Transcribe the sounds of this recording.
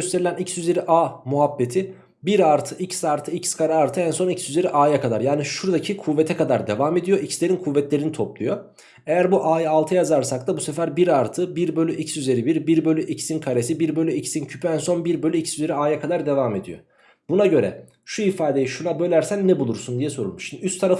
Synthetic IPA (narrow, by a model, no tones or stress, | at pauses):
øst̪ʰe̞ɾilʲænicsyze̞ɾiʔaːmuɦabːe̞t̪ʰi | biɾaɾt̪ʰɯʔicsaɾt̪ʰɯicskʰaɾɛaɾt̪ʰɯænso̞nicsyze̞ɾiʔaːjakʰad̪aɾjaːniʃuɾd̪acʰikʰuvːet̪ʰɛkʰad̪aɾd̪e̞vaːme̞d̪ijo̞ʔicslʲeɾinkʰuvːɛt̪lʲe̞ɾinit̪ʰo̞plˠujo̞ | e̞jæɾbuʔaːjalˠt̪ʰɯjazaɾsak̚d̪abusefæɾbiɾaɾt̪ʰɯbiɾbølʲyʔicsyze̞ɾibiɾbiɾbølʲyʔicsinkʰaɾesibiɾbø̞lʲyicsincʰypʰyænso̞nbiɾbølʲyicsyze̞ɾiaːjakʰad̪aɾd̪e̞vaːme̞d̪ijo̰ | b̥unaɟø̞ɾɛ̰ | ʃuifaːd̪e̞jiʃunabø̞lʲæɾsænːɛbulˠuɾsund̪ijɛso̞ɾulˠmuʃinyst̪ʰːaɾaf